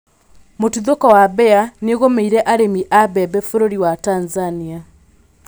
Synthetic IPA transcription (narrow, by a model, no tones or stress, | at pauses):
motuðokɔwabɛaneɣomeiɾɛʔaɾemiʔabɛbɛfoɾoɾiwatanzania